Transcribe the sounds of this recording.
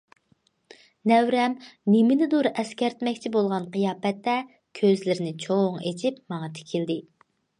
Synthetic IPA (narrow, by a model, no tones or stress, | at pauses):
nɛwɾɛmːemɪnɪd̪uɾɛskʲɛɾt̪mɛkʲt͡ʃʰibolˠʁɑnqɨjɑːpɛt̪ːɛ | kʲʰøzlɪɾɪnɪt͡ʃʰoŋet͡ʃʰip̚mɑŋɑt̪ʰe̥kʲʰild̪ɪ